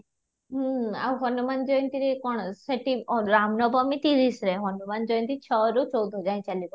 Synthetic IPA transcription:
ɦa̰wɦɔnumand͡ʒɔjnt̪iɾekɔɳsəʈiɾamnɔbɔmit̪iɾisɾeɦɔnumand͡ʒɔjnt̪it͡ʃʰəɾut͡ʃɔwd̪ʱɔd͡ʒaj̃t͡ʃalibɔ

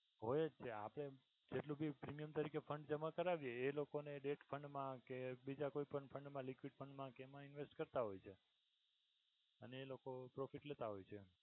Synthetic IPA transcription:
ɦojed͡ʒt͡ʃʰea̰pəɽ̃e | d͡ʒeʈlõbʱipɾimijəmt̪əɾikefʰəɳɖd͡ʒəmakəɾaʋjeːlokoneɖeʈfʰəɳɖmãkebid͡ʒakoipəɳɖfʰəɳɖmãlikʋiɖfʰəɳɖmãkemãinʋesʈkəɾt̪aɦojt͡ʃʰe | əneːlokopɾofiʈlet̪aɦojt͡ʃʰe

